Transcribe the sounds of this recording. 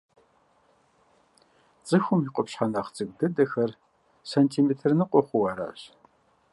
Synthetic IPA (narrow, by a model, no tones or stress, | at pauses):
t͡sʼɨxʷʊmiqʷʼɔpɕħanɐχt͡sʼɨɡ̚ʼdɨdɐxɐr | sɐntʰimeːtʰɨrnɨqʷʼɔχʷʊwɐɾa̰ːɕ